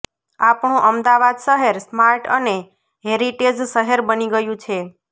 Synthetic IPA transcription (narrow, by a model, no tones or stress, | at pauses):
apɳũʔəmd̪aʋad̪ʃəɦeɾsmaɾʈəne | ɦeɾiʈed͡ʒʃəɦeɾbəniɡəjũt͡ʃʰe